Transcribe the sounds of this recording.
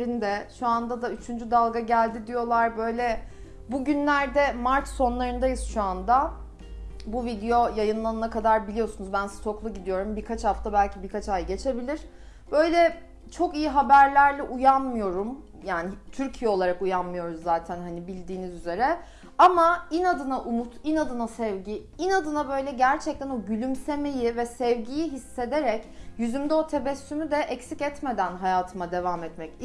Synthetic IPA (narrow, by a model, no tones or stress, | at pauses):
ɾind̪ɛʃuand̪ad̪ayt͡ʃʰynd͡ʒyd̪alˠɡaɟælʲd̪id̪ijo̞lˠaɾbø̞jlʲɛ | buɟynlʲæɾd̪ɛmaɾt͡ʃ̪so̞nlˠaɾɯnd̪ajɯsʃuand̪a | buvid̪ejo̞jajɯnlˠanɯnakad̪aɾbilʲijo̞sunuzbænsɯ̥t̪ʰo̞klˠuɟid̪ijo̞ɾumbiɾkʰat͡ʃhaft̪ʰabælʲcʰibiɾkʰat͡ʃajɟe̞t͡ʃʰe̞bilʲiɾ̥ | b̥ø̞jlʲɛ | t͡ʃʰo̞kijiɦabæɾlʲæɾlʲɛʔujanmɯjo̞ɾum | jaːnit̪ʰyɾcʰijɛo̞lˠaɾakujanmɯjo̞ɾuzːaːt̪ʰænɦanibilʲd̪iːnizyze̞ɾɛ | amainad̪ɯnaʔumut̪inad̪ɯnasɛvɟi | inad̪ɯnabø̞jlʲɛɟæɾt͡ʃʰɛc̚t̪ʰæno̞ɟylʲymse̞me̞jivɛsɛvɟijiɦisːe̞d̪eɾɛcjyzymd̪ɛo̞t̪ʰe̞bɛsːymyd̪ɛʔɛcsicɛt̪me̞d̪ænɦajaːt̪ʰɯmad̪e̞vaːmɛt̪mɛc